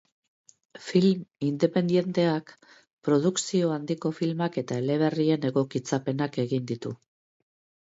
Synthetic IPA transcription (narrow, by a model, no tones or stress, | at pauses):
filmind̪e̞pe̞nd̪je̞nt̪e̞ak | pɾo̞ð̞uksio̞and̪iko̞filmake̞t̪aele̞β̞e̞rie̞ne̞ɣo̞kit͡sape̞nake̞ɣind̪it̪u